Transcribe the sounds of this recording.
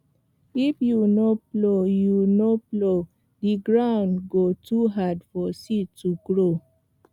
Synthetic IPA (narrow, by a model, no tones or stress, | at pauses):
ifjunoplojunoplo | diɡɹãʊ̃ndɡotʰuɦadfɔsitʰːuɡɹo